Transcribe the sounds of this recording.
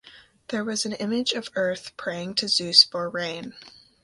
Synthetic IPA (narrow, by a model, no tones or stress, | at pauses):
ðə˞wʌzɨ̃n̩ɪ̃mɪd͡ʒʌvɜ˞θpʰɹ̥eɪɪ̃ŋtʰɨzʉsfə˞ɹẽɪ̃n